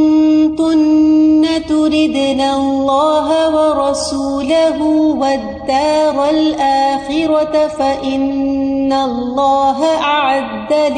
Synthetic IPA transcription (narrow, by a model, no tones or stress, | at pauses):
nt̪ʊnːat̪ʊɾɪd̪naːlˤːɑːɦawɑɾˤɑsuːlaɦʊwad̪ːɑːɾˤalʔaːxɪɾɑtfaʔɪnːalːɑːɦaʔaʕad̪ːal